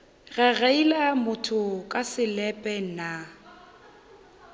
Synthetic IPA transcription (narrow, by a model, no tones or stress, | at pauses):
ɣɛɣɛilamʊtʰʊkʼasɪlɛpʼɛna